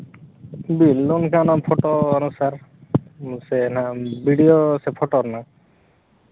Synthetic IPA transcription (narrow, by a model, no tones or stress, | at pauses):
bilːɔnkʰanapʰɔʈoanusaɾ | sɛnabiɖijosepʰɔʈɔɾna